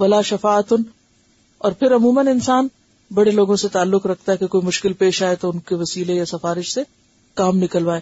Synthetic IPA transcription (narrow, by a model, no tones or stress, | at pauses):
ʋɐlaːʃɐfaːət̪ʊn | ɔːɾpʰɪɾɐmuːmənɪnsaːn | bɐɽeloːɡõset̪aːlːʊkɾɐk̚ʰt̪aɦɛkekoːimʊʃkɪlpeːʃaːet̪oʊnkeʋɐsiːlejasɐfaːɾɪʃse | kaːmnɪkəlʋaːeː